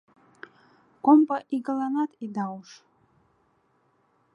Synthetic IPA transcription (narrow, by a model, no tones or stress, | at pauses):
kʷʼompʼaʔiɡalanatʰʼidawʂ